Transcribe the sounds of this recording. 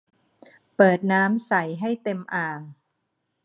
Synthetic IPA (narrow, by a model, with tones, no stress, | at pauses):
pɤː˨˩t̪̚naː˦˥msa˨˩˦jɦa˥˩jt̪e˧mʔaː˧ŋ